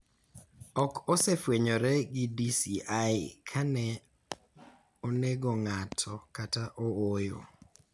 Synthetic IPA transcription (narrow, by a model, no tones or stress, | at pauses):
ɔkɔsɛfweɲɔɾɛɡɪdisiʔajɪkʰanɛ | oneɡoŋatʰɔkataʔɔojo̰